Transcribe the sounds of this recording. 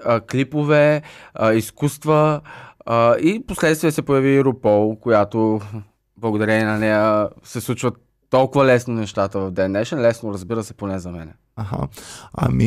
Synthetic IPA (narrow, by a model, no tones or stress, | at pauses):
əklipovɛ | iskust̪və | iposlɛt̪st̪viːəsɛpojɐviɾʊpɔlˠkojat̪o | blˠɐɡod̪ɐɾɛniɛnɐnɛjəsɛslˠut͡ʃvət̪ːɔlˠkʊvəlɛsnonɛʃt̪at̪əvɐvd̪ɛnːɛʃənlɛsnoɾəzbiɾəsɛponɛzɐmɛnɛ | aɦa̰a̰mi